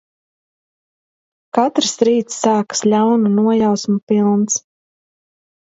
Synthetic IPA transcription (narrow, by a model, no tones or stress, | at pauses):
kat̪ɾsɾiːt̪sːaːkə̥slʲawnunuɔjawsmupilˠns